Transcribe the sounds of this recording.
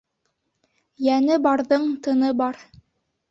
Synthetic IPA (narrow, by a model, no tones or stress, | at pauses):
jænɘbɑɾðɤɴt̪ɤ̆nɤbɑɾ